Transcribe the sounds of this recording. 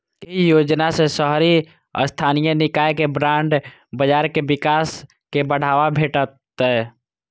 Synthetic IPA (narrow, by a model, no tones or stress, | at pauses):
kijoːd͡ʒnasesəɦɾi | ɔ̰st̪ʰaːnijənɪkaːjkebɾãːɳɖ | bəd͡ʒaːɾkebɪkaːs | kebəɽ̤aːʋabʱeːʈət̪ | ɦɛː